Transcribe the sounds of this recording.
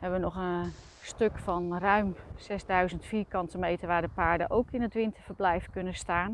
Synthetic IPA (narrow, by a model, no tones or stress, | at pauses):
hɛbʋənɔχən | støkfɑnrœɥmsɛzdœɥzəntfiːɹkɑntəmejtəɹʋaːɹdəpaːɹdə̰ʔowkɪnətʋɪntəɹvəɹblɛjfkɵnəstaːn